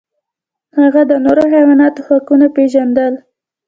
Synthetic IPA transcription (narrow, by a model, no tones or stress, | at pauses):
haɣad̪ənoɾohawɑnɑt̪oxakunapeʒand̪əl